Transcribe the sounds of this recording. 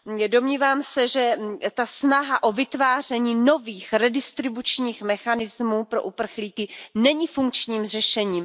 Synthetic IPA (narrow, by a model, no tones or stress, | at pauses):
do̞mɲiːvaːmsɛʒɛt̪asnaɦaʔo̞vɪt̪vaːr̝ɛɲiːno̞viːxɾɛdɪst̪ɾɪbut͡ʃɲiːxmɛxanɪzmuːpɾo̞ʔupr̩xliːkɪnɛɲifuŋkt͡ʃɲiːmr̝ɛʃɛɲiːm